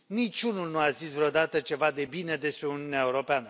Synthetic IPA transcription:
nit͡ʃunulnuazisvɾeo̞d̪at̪ət͡ʃe̞vad̪e̞bine̞d̪e̞spɾe̞uniuneaeuɾo̞peanə

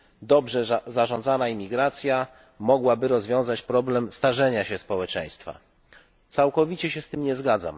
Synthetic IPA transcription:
d̪ɔbʐɛzaʐɔ̃nd̪zanaimʲiɡɾat̪sʲja | mɔɡwabɘɾɔzvʲjɔ̃w̃zat͡ɕpɾɔblɛmst̪aʐɛɲaɕɛspɔwɛt͡ʂɛ̰j̃st̪fa̰ | t̪sawkɔvʲit͡ɕɛɕɛst̪ɘmɲɛzɡad̪za̰m

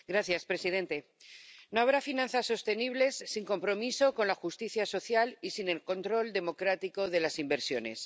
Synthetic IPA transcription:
ɡɾaθjaspɾe̞sið̞ẽ̞nt̪e̞ | no̞aβ̞ɾafinãnθasːo̞st̪e̞niβ̞le̞sːiŋko̞mpɾo̞miso̞ko̞nlaxust̪iθjaso̞θjalisine̞lko̞nt̪ɾo̞ld̪e̞mo̞kɾat̪iko̞ð̞e̞lasimbe̞ɾsjo̞ne̞̰s

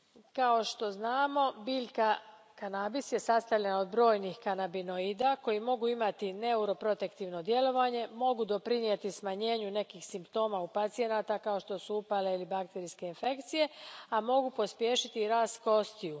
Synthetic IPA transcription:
kao̞ʃt̪o̞znaːmo̞biːʎka | kanaːbisje̞sast̪aʋʎe̞nao̞d̪bɾo̞ːjnixkanabino̞id̪ako̞jimo̞ɡuimat̪ine̞uɾo̞pɾo̞t̪e̞kt̪iʋno̞d̪je̞lo̞ʋaɲe̞mo̞ɡud̪o̞pɾiniet̪ismaɲe̞ːɲune̞kixsimpt̪o̞ːmaupat̪sije̞naːt̪akao̞ʃt̪o̞suupale̞ilibakt̪e̞ɾiske̞infe̞kt̪sije̞amo̞ɡupo̞spje̞ːʃit̪iɾaːst̪ko̞st̪iju

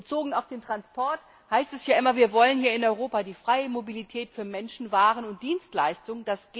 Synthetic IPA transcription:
ət͡soːɡŋ̩aʊfd̥eːntʁ̥anspʰɔɐt | haɪstɛsjaːʔɪmɐviːɐvɔlənhiːɐɪnɔʏʁoːpadiːfʁ̥aɪəmobilitʰɛːtfyːɐmɛnʃn̩vaːʁənʊnt̚d̥iːnstlaɪstʊŋd̥asɡ̥

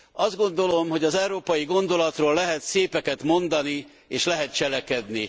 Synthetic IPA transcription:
ɒzd̪ɡo̞nd̪o̞lo̞mɦo̞ɟɒzɛwɾoːpɒjiɡo̞nd̪o̞lɒt̪roːlːɛɦɛt̪seːpɛkɛt̪mo̞nd̪ɒni | eːʃlɛɦɛt̪̚t͡ʃɛlɛkɛd̪ni

